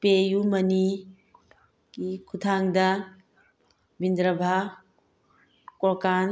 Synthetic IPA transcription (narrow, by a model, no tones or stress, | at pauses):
peːjumɐni | kikʰut̪ʰaŋd̪a | bind̪ɾəbʱa | kɔkan